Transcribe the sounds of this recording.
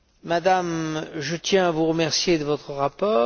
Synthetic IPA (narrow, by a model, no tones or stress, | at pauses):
mad̪amʒət̪jɛ̃avuʁəmɛʁsjed̪əvɔt̪χəʁapɔː